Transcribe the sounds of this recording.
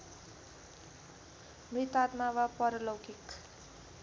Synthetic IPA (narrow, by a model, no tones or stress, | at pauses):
mrit̪at̪mawapʌɾʌlowkik